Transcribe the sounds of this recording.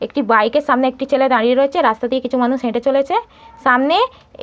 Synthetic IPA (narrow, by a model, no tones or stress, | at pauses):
ekʈibajkeɾʃamneek̚ʈit͡ɕeled̪aɽieɾoet͡ɕʰeɾast̪ad̪iekit͡ɕʰumanuʃɦẽʈet͡ɕolet͡ɕʰe | ʃamne